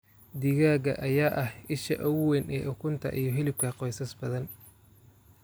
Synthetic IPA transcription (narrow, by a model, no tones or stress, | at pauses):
d̪iɣaːɣɐ̰ʔɐjaːʔɐhɪʃɐ̰ʔɔwwɛnɛːʔʊkʰʊnt̪ʰɐ̰ʔijɞɦɪlɪb̚kʰɐqɔjsɐsbɐðɐn